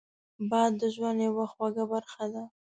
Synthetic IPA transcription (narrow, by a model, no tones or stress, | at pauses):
bɑjd̪ːəʒwand̪jawaxwaɡabaɾxad̪a